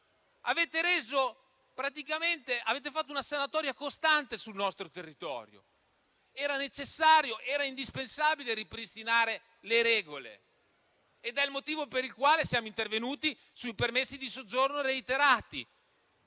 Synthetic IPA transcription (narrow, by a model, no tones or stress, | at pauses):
aveːt̪eɾeːzo | pɾat̪ikament̪eʔaveːt̪̬efat̪ːunasanat̪ɔːɾjakost̪ant̪esulnɔst̪ɾot̪erːit̪ɔ̰ːɾjo̰ | ɛːɾanet͡ʃesːaːɾjoʔɛːɾaind̪ispensaːbileɾipɾist̪inaːɾe | leɾɛːɡolḛː | d̪ɛlmot̪iːvopeɾilkwaːlesjaːmoint̪ervenuːt̪i | suipermesːid̪isod͡ʒːornoɾeit̪eɾaːt̪ḭ